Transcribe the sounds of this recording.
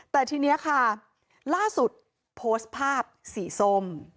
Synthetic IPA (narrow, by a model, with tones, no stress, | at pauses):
t̪ɛː˨˩t̪ʰiː˧ni˦˥ɐkʰa˥˩ | laː˥˩su˨˩t̪̚ | pʰoː˦˥st̪̚pʰaː˥˩p̚siː˩˦so˥˩m